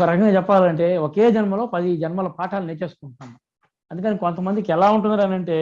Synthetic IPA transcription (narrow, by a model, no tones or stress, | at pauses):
kɐɾɐkɐŋɡaːt͡ʃɛpːaːlɐɳʈe̞ːokeːd͡ʒɐnmɐloːpɐd̪id͡ʒɛnɐmaːlopaːʈʰaːluneːt͡ʃeːst̪uːɳʈund̪i | ɐnd̪ukɐnikont̪ɐmɐnd̪ikiɛlaːuɳʈund̪iɾɐnɐɳʈe̞ː